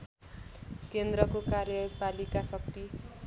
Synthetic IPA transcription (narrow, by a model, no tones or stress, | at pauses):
kend̪ɾʌkokarjʌpalikasʌk̚t̪i